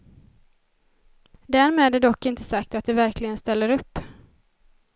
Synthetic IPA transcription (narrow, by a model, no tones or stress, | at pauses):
d̪æɾmeːd̪æɖ̪ɔkːɪnt̪əsakt̪at̪̚d̪ɛvæɾkʰlɪɡənst̪ɛlːəɾɵpː